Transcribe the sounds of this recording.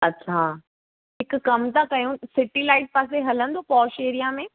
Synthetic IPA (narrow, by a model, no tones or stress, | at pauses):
ɐɕʰa | ɦɪkkɐmt̪akɐjũsɪʈilaːɪʈ̚paːs̬eɦɐlə̃nd̪oːpɔːʃeːɾijamẽː